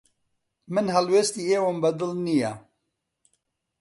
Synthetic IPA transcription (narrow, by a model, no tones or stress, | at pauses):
mɨnɦɛlweːst̪iːeːwombɐd̪ɨlnija